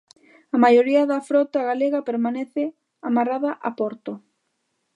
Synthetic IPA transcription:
ɐmajoɾiɐðɐfɾɔt̪aɣaleɣɐpeɾmaneθɪ | amaraðaʔapɔɾt̪o

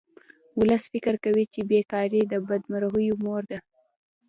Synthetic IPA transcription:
wʊləsfɪkɪɾkawit͡ʃebekɑɾid̪əbad̪maɾaɣəjomoɾd̪a

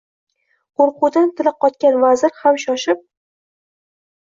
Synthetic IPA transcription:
qʰoɾqʊd̪ant̪ʰɪlap̚qʰɒt̪̚kʲanvazɪɾhamʃɒʃɪp̚

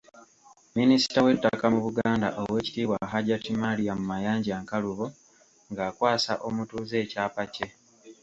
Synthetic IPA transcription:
minisi̥tawe̞tːakamuβuɡaːnda̰ʔowe̞ːci̥tiːwaɦaɟatimalijamumajaːɲɟaːŋkaluβo | ŋɡaːkwaːsa̰ʔo̞mutuːze̞ːcaːpace̞

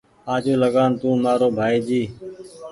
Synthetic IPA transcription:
aːd͡ʒoːləɠaːnt̪ũːmaːɾoːbʱaːiːd͡ʒiː

